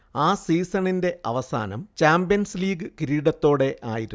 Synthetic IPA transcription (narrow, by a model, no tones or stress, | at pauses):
aːsiːsɐɳinde̞ʔɐ̰ʋɐsa̰ːnɐ̰mt͡ɕaːmbijɐnsliːɡɨkiɾiːɽɐt̪ːo̞ːɽe̞ʔaːjiɾu